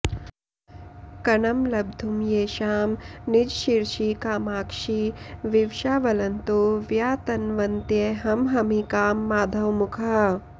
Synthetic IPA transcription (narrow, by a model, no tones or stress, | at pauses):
kɐnɐmlɐbd̪ʱumjeːʃaːmnid͡ʒʃiɾʃikaːmaːkʂiʋiʋʃaːʋɐlɐnt̪oːʋjaːt̪ɐnʋɐnt̪jeɦɐmɦɐmikaːmːaːd̪ʱɐwmukʰɐ